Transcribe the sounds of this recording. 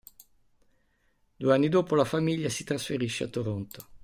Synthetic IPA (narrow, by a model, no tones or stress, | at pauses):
d̪ueanːid̪oːpolafamiʎːasit̪ɾasfeɾiʃːea̰t̪ːoɾont̪o̥